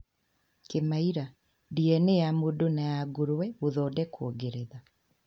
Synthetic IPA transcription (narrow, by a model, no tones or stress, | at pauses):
kemaiɾa | diɛnejamodonajaɡoɾwɛoðɔːdɛkʰoɡeɾeða